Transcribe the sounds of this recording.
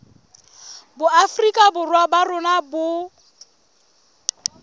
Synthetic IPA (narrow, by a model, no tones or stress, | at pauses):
bʊafrikʼabʊrwabarʊnabʊ